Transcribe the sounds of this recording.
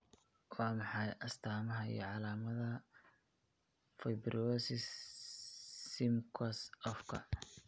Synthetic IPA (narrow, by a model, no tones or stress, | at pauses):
wɑːmɑħɑjʔɐst̪ʰaːmɐɦɐḭjɞʕɑlaːmɐðɐ | fɐjbrʔɔsɪs | sːɪmkʰɐsɔfkʰɐ̰